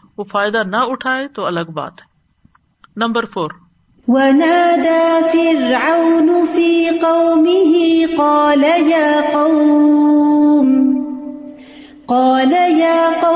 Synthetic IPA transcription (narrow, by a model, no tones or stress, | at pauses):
ofaːjɪd̪anɐʊʈʰaːet̪oːɐləɡba̰ːt̪ | nɐ̃mbəɾfoːɾ | wanaːd̪aːfɪɾʕawnʊfiːqɑwmɪɦɪqɑːlajaːqɑw | m | qɑːlajaːqɑ